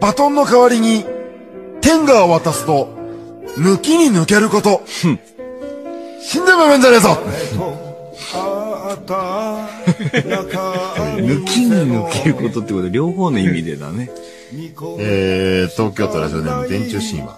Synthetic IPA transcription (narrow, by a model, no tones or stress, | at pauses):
bat̪õ̞nːo̞kaβaɾʲiɲ̟i | t̪ẽ̞ŋɡaoβat̪asɨ̥t̪o̞ | mɯ̟kʲiɲ̟inɯ̟ke̞ɾɯ̟ko̞t̪o̞ | ɕĩnd̪ebamẽ̞ɲdaɾezo | mɯ̟kʲʰiɲ̟inɯkeɾɯ̟ko̞t̪o̞t̪ːeikot̪ːɾʲo̞ːɦoːnoimʲid̪e̞̰d̪a̰ne̞ | eːt̪o̞ːkʲo̞ːt̪o̞ɾa̰ʑio̞̰nẽ̞̰mːod̪ẽ̞ɲt͡ɕɨːɕḭ̃ɰ̃βã̰